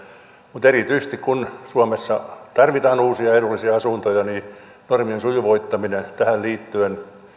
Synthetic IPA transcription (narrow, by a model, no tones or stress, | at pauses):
mut̪erit̪yise̥st̪ikkunsuɑmesːɑt̪ɑrʋit̪ɑːnuːsiɑedulːisiɑɑsunt̪ojɑni | normiensujuʋoit̪ːɑminet̪æhælliːt̪ːyen